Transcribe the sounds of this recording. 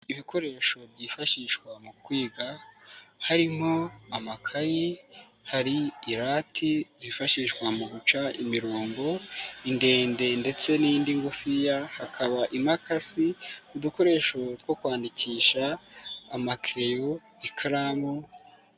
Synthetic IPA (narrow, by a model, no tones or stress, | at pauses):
iβiko̞ɾe̞ʃo̞βɟifaʃiʃkwamukwiːɡa | haɾimho̞amakʰaji | haɾiːɾatʰizifaʃiʃkwamuɡut͡ʃaimiɾoːmbo̞inde̞ːnde̞nde̞t͡se̞nindiŋɡufijahakʰaβaʔimakasiuduko̞ɾe̞ːʃo̞twokwaːndiciːʃaː | makiɾejo̞ | ikʰaɾamu